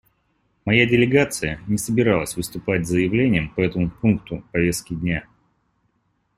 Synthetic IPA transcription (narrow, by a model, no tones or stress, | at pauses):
mɐjadʲɪlʲɪɡat̪sɨjənʲɪsəbʲɪɾalˠəsʲvɨst̪ʊpatʲzəjɪvlʲenʲɪjəmpɐɛt̪əmʊpunkt̪ʊpɐvʲe̞st̪̚kʲɪdʲnʲa